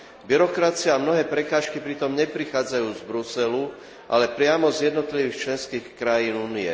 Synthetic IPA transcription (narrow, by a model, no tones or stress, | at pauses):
biɾɔkɾat͡sɪaːmnɔɦɛːpɾɛkaːʃkipɾit̪ɔmɲɛpɾixaːd͡zajuːzbɾusɛlu | ʔa̰lɛpɾɪamɔzjɛd̪nɔt̪liʋiːxt͡ʃlɛnskiːxkɾajiːnuːniɛ̰